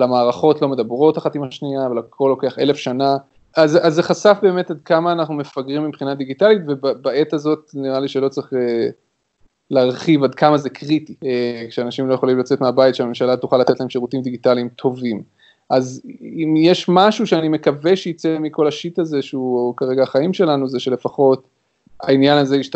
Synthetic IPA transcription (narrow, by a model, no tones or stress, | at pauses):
lamaːʁaχo̞tlo̞me̞d̪abʁo̞taχatimaʃniavalakʰo̞lːo̞ke̞aχe̞le̞fʃana | azazeχasafbe̞ːme̞tad̪̚kamaːnaχnume̞faɡʁimːibχinad̪iɡitalitvebabae̞t̪azo̞t̚niʁaliʃelo̞t͡sʁiχe | leːʁχivad̪̚kamazekʰʁit̪iekʃeanaʃimlo̞jeχo̞limlat͡se̞tmeabajitʃeame̞mʃalat̪uχalat̪e̞t̪laemʃeʁutimd̪iɡitaliimt̪ʰo̞vim | ʔazimjeʃmaʃuʃeanime̞kaveʃejit͡semiko̞laʃitaze̞ʃeukaʁeɡaːχaimʃe̞lanuzeʃe̞le̞faχo̞t̪ | a̰injanazeiʃt